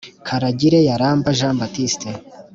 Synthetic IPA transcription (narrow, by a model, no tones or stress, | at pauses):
kʰaɾaɟiɾejaɾaːmbaʒãːmbatiste